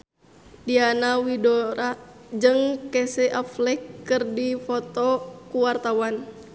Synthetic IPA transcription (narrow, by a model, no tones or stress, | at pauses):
dianawidɔɾad͡ʒɨŋkɛsɛʔaflɛkːɨrdifɔt̪ɔkuwart̪awan